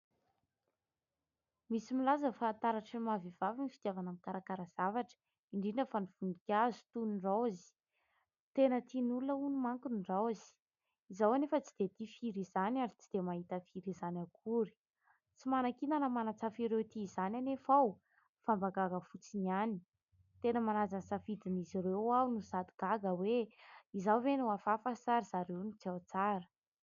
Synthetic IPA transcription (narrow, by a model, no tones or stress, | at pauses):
misimilazəfant̪aɾaʈ͡ʂəimaviv̥avinifid̪javanamikaɾakaɾaz̥avaʈ͡ʂə̥ | iɳɖ͡ʐinəfaniv̥und̪ikʲazu̥t̪unuɳɖ͡ʐawazi̥ | t̪enət̪inulunəunumaŋkunɳɖ͡ʐawzi̥ | izawanefət͡sid̪̥et̪ifiɾizanaɾit͡sid̪̥emaɦit̪əfiɾizanakʰuɾi̥ | t͡simanakinanəmanat͡safiɾewt̪iːzananefaw | fambaɡaɡəfut͡sinani̥ | t̪enəmanazansafid̪inizirewawnuzad̪iɡ̥aɡəweizawvenuafafasaɾiz̥aɾewnut͡siawt͡saɾə̥